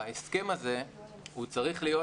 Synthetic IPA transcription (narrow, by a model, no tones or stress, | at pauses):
eske̞maze̞ | hut͡saʁiχlijo̞